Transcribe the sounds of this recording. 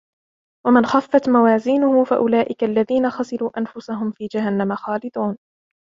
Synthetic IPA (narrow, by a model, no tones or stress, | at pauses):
wamɪnxafːat̪mawaːziːnʊhʊfaʔʊlaːʔɪkalːaðiːnaxasɪɾuːʔanfʊsaɦʊmfiːd͡ʒaɦanːamaxɑːlɪd̪ˤuːn